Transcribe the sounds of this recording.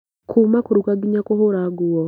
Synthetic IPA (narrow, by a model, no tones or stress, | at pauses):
kʰumakuɾuɡwaɡiɲakoɦoɾaɡuwo